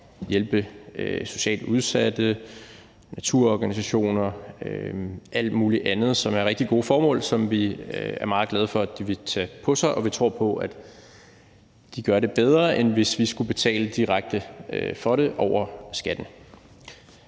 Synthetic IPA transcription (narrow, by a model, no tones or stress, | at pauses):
jelb̥əøso̝ɕɛ̰ːld̥uð̞ˠsæd̥ə | næt͡sʰuɐ̰ɒɡ̥ænisæɕo̝̰ːnɐøʔæl̰d̥muːliʔænð̞̩ˠsɒ̽mæɐʁeɡ̥̚d̥iɡ̥o̝ːfɒːmɔ̰̽ːlsɒ̽mʋiæɐmɑ̈ːð̞̩ˠɡlɛð̞̩ˠfɒ̽d̥iʋe̝t͡sʰɛpʰɒ̽sɑ̈ɪʔɒ̽ʋit͡sʰʁo̝ɐ̰pʰɒ̽ʔæd̥ | d̥iɡ̥ɶɐɾe̝b̥eð̞ˠʁɐʔenʋe̝sʋisɡ̥ub̥e̝t͡sʰɛ̰ːləd̥iʁaɡ̥̚d̥əøfɒ̽ɾe̝ʔɒʊɐsɡ̥æd̥n̩